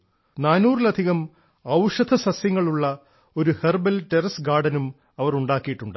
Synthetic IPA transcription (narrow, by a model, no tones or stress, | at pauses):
naːnuːrilɐd̪ʱiɣɐm | ɐwʂɐd̪ʱɐsɐsjɐŋːɐɭuɭːɐ | o̞ɾuherbɐlteɾɐsɡaːɖɐnum | ɐʋɐruɳɖaːkːijiʈːuɳɖɨ